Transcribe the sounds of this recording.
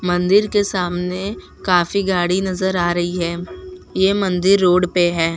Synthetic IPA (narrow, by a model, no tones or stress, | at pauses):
mɐ̃nd̪ɪɾkesaːmne | kaːfiɡaːɽinɐzəɾaːɾɐɦiɦɛːjeːmɐ̃nd̪ɪɾːoːɽpeɦɛː